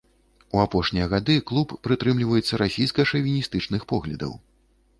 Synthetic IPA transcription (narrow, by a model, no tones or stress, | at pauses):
uapɔʂnʲijɐɣad̪ɨklˠupːɾɨt̪ɾɨmlʲivɐjɛt̪sːɐɾʔasʲijskɐʂɐvʲinʲist̪ɨt͡ʂnɨxpɔɣlʲɐ̰d̪ɐ̰w